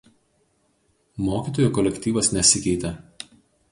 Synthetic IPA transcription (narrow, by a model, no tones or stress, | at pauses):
moːkʲiːˑt̪oːjuːˑkɔlʲɛkʲt̪ʲiːʋɐsnʲɛsʲɪkʲɛɪt̪ʲɛ